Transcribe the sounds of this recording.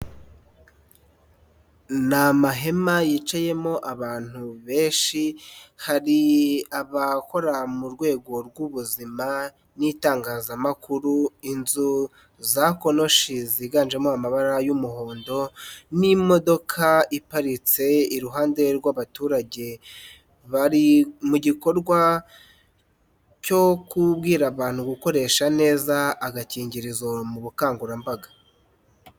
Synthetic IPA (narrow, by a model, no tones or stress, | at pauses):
namaɦe̞majit͡ʃaje̞mo̞ʔaβaːn̥huβe̞ːnʃihaɾiaβako̞ɾamuɾɡwe̞ːɡo̞ɾɡuβuzima | nitaːŋɡaːzamakʰuɾuinzu | zako̞no̞ʃiziːɡand͡ʒe̞moamaβaɾajumuɦo̞ːndo̞nimo̞do̞kʰaipaɾit͡se̞iɾuɦaːnde̞ɾɡwaβatuːɾaɟe̞ | βaɾimuɟiko̞ɾɡwa | co̞kub̚ɡiːɾaβaːn̥huɡuko̞ɾe̞ʃane̞ːzaːɡaciːɲɟiɾizomuβukaːŋɡuɾambaɡa